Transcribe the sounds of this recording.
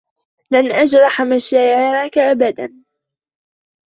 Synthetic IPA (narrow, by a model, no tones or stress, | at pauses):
lanʔad͡ʒɾˤɑħamaʃaːʕɪɾˤɑkaʔabad̪an